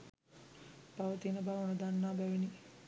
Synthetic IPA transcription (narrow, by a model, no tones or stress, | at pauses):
paʋət̪inəbaːʋunəd̪anːaːbæʋeni